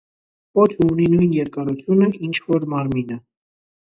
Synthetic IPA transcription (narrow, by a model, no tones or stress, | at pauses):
pɔt̪ʰuuninujnjɛɾkɑɾut͡s̪ʰjunəʔint͡ʃʰvɔɾmɑɾminə